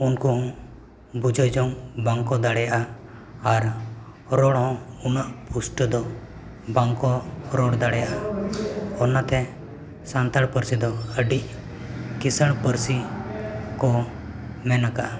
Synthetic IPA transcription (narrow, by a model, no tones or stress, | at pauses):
unkɔɦɔ̃ | bud͡ʒəjd͡ʒɔŋbaŋkɔd̪aɽɛjaʔa | aɾ | ɾɔɽɦɔ̃unaʔpʰusʈd̪ɔ | baŋkɔɾɔɽd̪aɽɛjaʔa | ɔnat̪ɛ | sant̪aɽpəɾsid̪ɔəɖiʔ | kisəɽpəɾsi | kɔ | mɛnaka